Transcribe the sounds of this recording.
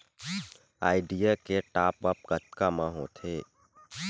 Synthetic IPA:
a̰ːɪɖijakeʈaːpʋap̚ɡət̪kamãɦot̪ʰeː

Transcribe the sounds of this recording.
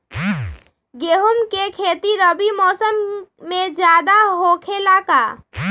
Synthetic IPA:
ɡeɦumkekʰeːt̪iɾəbimɔːsəmːẽd͡ʒjaːd̪aɦokʰelaka

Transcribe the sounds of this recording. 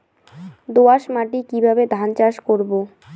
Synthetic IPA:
d̪oaʃmaʈikibʱabed̪ʱant͡ɕaʃkoɾbo

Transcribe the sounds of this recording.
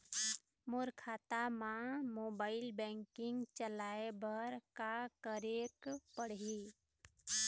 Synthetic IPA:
moɾkʰaːt̪amãmoːbaːɪlbɛ̃ŋkɪŋɡt͡ʃəlaebəɾkakəɾekpəɽɦi

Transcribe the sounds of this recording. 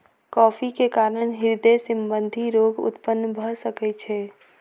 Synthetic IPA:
kɔːpʰikekaːɾənɦɪɾd̪esimbənd̪ʱiɾoɡʊ̰t̪pənːbʱəsəkɛt͡ʃʰɛ

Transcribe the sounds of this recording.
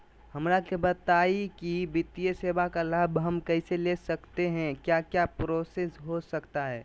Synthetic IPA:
hɐmɾakebɐt̪aːikibɪt̪ijəseːbakalaːbɦɐmkɛɪselesɐkt̪eɦɛ̃kjaːkjapɾoːsesɦosɐkt̪aɦɛː

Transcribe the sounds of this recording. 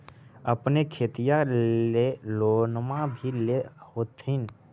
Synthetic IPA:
əpnekʰeːt̪ijaeloːnəmabʱilehoːt̪ʰɪn

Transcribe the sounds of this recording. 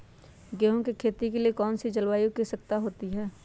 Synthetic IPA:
ɡɛːɦõkikʰeːt̪ikeliekɔːnsid͡ʒɐlwaːjukisək̚t̪aɦoːt̪iɦɛː

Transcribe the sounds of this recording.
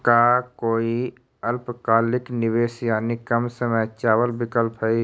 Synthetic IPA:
kakoːi | əlpkaːlɪknɪbeːsjaːnikəmsəməjt͡ʃaːwəlbɪkəlpɦə

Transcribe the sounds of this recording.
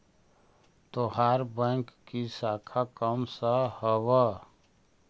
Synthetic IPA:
t̪oɦaːɾbɛ̃ŋkːisaːkʰakəmsəhəwə

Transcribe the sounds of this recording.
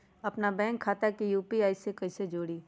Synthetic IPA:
ɐpnabɛ̃ːŋkʰːaːt̪akijuːpiaːisekɐised͡ʒoːɽiː

